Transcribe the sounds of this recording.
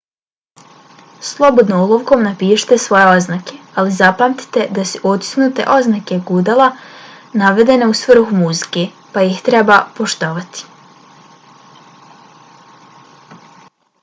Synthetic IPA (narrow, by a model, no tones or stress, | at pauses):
slˠo̞bo̞d̪noulˠoʋko̞mnapiːʃe̥t̪esʋo̞jeo̞znake̞alizapamt̪i̥t̪e̞d̪asuʔot̪i̥snut̪e̞̰ʔo̞znake̞ɡud̪alˠanaʋe̞d̪e̞ne̞usʋr̩xumuzike | pajixt̪ɾe̞bapo̞ʃt̪o̞ʋat̪i̥